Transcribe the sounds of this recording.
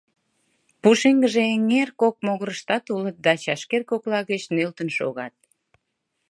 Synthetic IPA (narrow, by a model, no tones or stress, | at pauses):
puʃeŋɡəʒeeŋerkok̚moɣəɾəʃt̪ɑt̪ulət̪̚d̪ɑt͡ɕɑʃkerkoklɑɣət͡ɕnølt̪ənʃo̰ɣɑt̪̚